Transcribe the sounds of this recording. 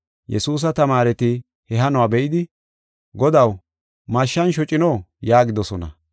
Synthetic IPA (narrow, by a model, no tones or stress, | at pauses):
jʔɛsuːs̬ɐt̪ɐmaːɾɛt̪ɪ | hɛɦɐnʊwaːbɛʔɪd̪ɪ | ɡɔd̪ɐw | mɐʃːɐnʃɔt͡ʃʼɪnɔːjaːɡɪd̪ɔsɔnɐ̰